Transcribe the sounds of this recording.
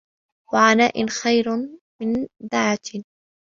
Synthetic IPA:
waʕanaːʔɪnxajɾ | mɪnd̪aʕat̪

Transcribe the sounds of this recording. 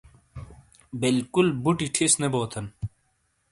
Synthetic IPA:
bilkulbuʈiʈʰisneboːt̪ʰɐn

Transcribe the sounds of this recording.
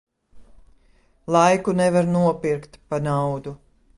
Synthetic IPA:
lˠajkunɛvaɾnuɔpiɾkt̪panawd̪u

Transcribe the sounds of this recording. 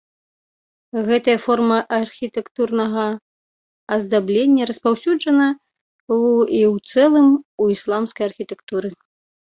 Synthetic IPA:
ɣɛt̪ɐjɐfɔrmɐʔɐrxʲit̪ɛkt̪urnɐɣɐ | ɐzd̪ablʲenʲːɐɾɐspawsʲud͡ʐɐnɐ | iwt̪sɛlˠɨmuislˠamskɐjɐrxʲit̪ɛkt̪uɾɨ

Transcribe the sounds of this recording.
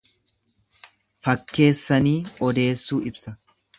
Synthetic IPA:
fɐkːe̞ːsːɐniːɔd̪e̞ːsːuːɪbsɐ

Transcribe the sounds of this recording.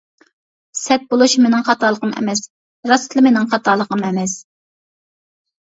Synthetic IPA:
sɛt̪̚bolˠuʃmenɪŋχɑt̪ɑlˠəqəmɛ̰mɛs | ɾɑst̪ʰlˠɨmenɪŋχɑt̪ʰɑːlˠːəqəmɛmɛs

